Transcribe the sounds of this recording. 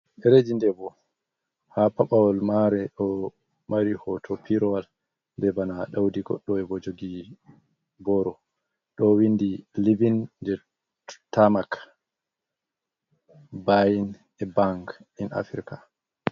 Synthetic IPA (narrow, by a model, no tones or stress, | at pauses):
ɛɾed͡ʒindɛbɔ | hapaɓawɔlmaɾɛɗɔ | maɾihɔtʰɔpʰiɾɔwal | bɛbanaɗawdiɡɔ̰ɗːɔɛbɔd͡ʒoɡi | bɔɾɔ | ɗɔwindilivind͡ʒɛ | tamak | bajin | ɛbaŋkina̰fiɾka